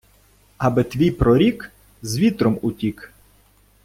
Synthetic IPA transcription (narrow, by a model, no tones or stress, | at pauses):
ɐbɪt̪ʋʲijpɾɔɾʲik | zʋʲit̪ɾɔmutʲik